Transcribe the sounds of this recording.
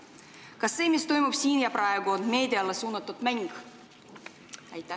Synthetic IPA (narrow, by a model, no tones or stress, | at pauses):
kɑsːeːmist̪ojmupsʲiːnjɑprɑeɡoonmeːd̪ʲiɑlːɑsuːnːɑt̪ːut̪mæŋɡ | æjt̪ːˑæ